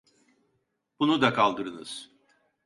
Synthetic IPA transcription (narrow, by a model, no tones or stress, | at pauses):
b̥unud̪akʰalˠd̪ɯɾɯnɯ̰z̥